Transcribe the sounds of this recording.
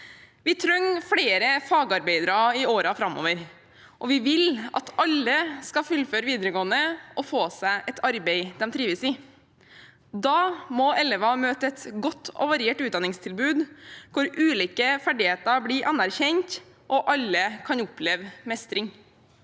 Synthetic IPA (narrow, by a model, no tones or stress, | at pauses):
ʋɪt̪ʰɾœŋfɽeːɾəfɑːɡɑɾbeɪd̪ɾɑɪoːɾɑfɾɑmo̰ːʋəɾ | ʔɔʋɪʋɪlʔɑ̰t̪ɑlːəskɑfʉlːføːɾəʋiːd̪əɾəɡoːənəʔɔfoːsæɪʔɛt̪ʰɑɾbɛɪd̪ɛmt̪ʰɾiːʋəsɪ | d̪ɑːmɔʔɛlɛʋɑmøːt̪əɛt̪ɡɔt̪ʰːɔ̰ʋɑɾɪeːʈʉːt̪̚d̪ɑnɪŋst̪ʰɪlbʉːd̪kʊɾʔʉːliːkəfæɖɪheːt̪əbliʔɑnæɾçɛɲt̪ | ʔɔʔɑlːəkʰɑnʊpʰleːʋmɛst̪ɾɪŋ